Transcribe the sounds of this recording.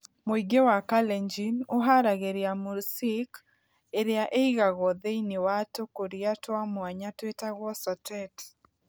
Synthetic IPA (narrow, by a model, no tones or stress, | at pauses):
moiɡewakalɛɲd͡ʒinoɦaɾaɣeɾjamuɾsik | eɾɪaʔeiɣaɣɔðeinewatokoɾiatwamwaɲatwetaɣɔsɔtʰɛt